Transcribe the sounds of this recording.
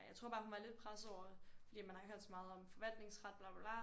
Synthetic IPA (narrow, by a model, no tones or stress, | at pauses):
jɑ̈ɪt͡sʰʁo̝ɐ̰̥ɑːhunʋɑle̝d̥̚pʰʁasɒʊ̰ɐfɒd̥ḭːmænhɑhøɐ̰d̥sɒ̽mɑ̈ːð̞̩ˠɒ̽mfɒ̽ʋæl̰d̥ne̝ŋsʁɑd̥̚b̥lɑ̈ːb̥b̥lɑ